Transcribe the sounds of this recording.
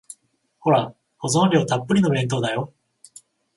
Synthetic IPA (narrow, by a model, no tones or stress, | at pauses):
ho̞ɾa | ko̞zõ̞nɾʲo̞ːt̪apːɯ̟ɾʲino̞βẽ̞nt̪o̞ːd̪ajo̞